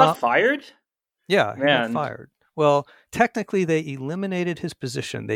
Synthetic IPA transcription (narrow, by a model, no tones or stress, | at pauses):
faɪə˞d̥ | jæ̰æ̃nfaɪə̰˞d̥̚ | wɛlˠ | tʰɛk̚nɨkʰliðeɪʔɪlɪ̃mɨneɪɾɨd̚ɨz̥pʰɨzɪʃɨ̰̃nðeɪ